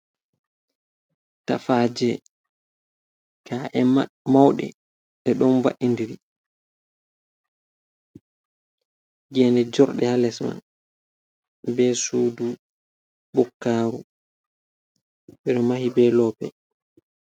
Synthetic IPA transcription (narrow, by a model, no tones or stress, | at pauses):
ta̰faːd͡ʒɛ | kʰaːʔɛmawɗɛ̰ | ɗɛɗɔnva̰ʔindiɾi | ɡɛːndɛd͡ʒɔɾɗɛhalɛsma̰n | bɛːsuːdu | bɔkːaːɾṵ | ɓɛɗɔmahibɛːlɔːpɛ̰